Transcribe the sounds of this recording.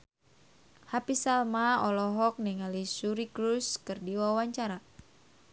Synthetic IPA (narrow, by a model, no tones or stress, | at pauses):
hapisalmaɔlɔɦɔk̚niŋalisuɾikɾuskɨrdiwawaɲt͡ʃaɾa